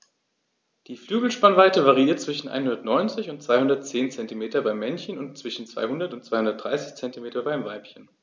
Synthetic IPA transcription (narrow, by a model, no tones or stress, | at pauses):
d̥iːflyːɡl̩ʃpanvaɪtəvaʁiiːɐtt͡sv̥ɪʃn̩ʔa̰ɪnhʊndɐtnɔʏnt͡sɪçʊntt͡sv̥aɪhʊndɐtt͡seːnt͡sɛntimeːtɐbaɪmːɛnçənʊntt͡sv̥ɪʃn̩t͡sv̥a̰ɪhʊndɐtʊntt͡sv̥aɪhʊndɐt̚d̥ʁa̰ɪsɪ̥çt͡sɛntimeːtɐbaɪmvaɪpçən